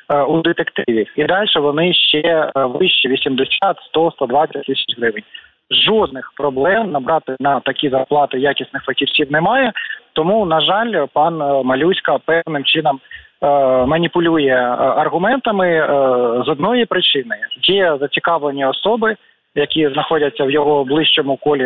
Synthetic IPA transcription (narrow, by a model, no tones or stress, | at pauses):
ud̪et̪ekt̪ɪʋʲiid̪ɑlʲʃɛʋɔnɪʃt͡ʃɛʋɪʃt͡ʃiʋʲisʲimd̪ɪsʲat̪st̪ɔst̪ɐd̪ʋɑt͡sʲɐtʲt̪ɪsʲɐ̥t͡ʃɦɾɪʋɪnʲ | ʒɔd̪̚nɪxpɾɔblˠɛmnɐbɾɑt̪ɪnɐt̪ɐkʲizɐrplˠɑt̪ɪjɑkʲisnɪxfɐktʲirʲsʲiwnɛmɑjɛt̪ɔmunɐʒɑlʲpɑnmɐlʲusʲkɐpɛwnɪmt͡ʃɪnɐm | mɐnʲipʊlʲujɛɐrɣʊmɛnt̪ɐmɪ | zɔd̪nɔjipɾɪt͡ʃɪnɪjɛzɐt͡sʲikɑʋlˠenʲiɔsɔbɪ | jɐkʲiznɐxɔdʲɐt͡sʲːɐwjɔɦɔblˠɪʃt͡ʃɔmʊkɔlʲi